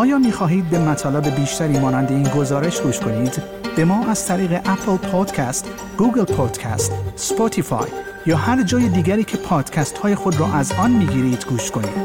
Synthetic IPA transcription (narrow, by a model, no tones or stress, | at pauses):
ʔɒːjɒːmiːxɒːɦiːd̪̚be̞mæt̪ʰɒːlebe̞biːʃt̪ʰæɾiːmɒːnænd̪e̞iːnɡo̞zɒːɾe̞ʃɡuːʃt̪kʰo̞niːd̪ | b̥e̞mɒːʔæz̥t̪ʰæɾiːɣe̞ʔæpʰlpʰod̪̥cʰæst̪ | ɡ̥uːɡelpʰod̪̥cʰæ̰st̪spot̪ʰifɒ̰j | jɒːhæɾd͡ʒɒːjed̪iːɡæɾiːcʰe̞pʰɒːd̪̥cʲʰæst̪hɒːje̞xod̪rɔːʔæzɒːnmiːɡiːɾiːd̪̥ɡuːʃtkʰo̞nḭːd̪̥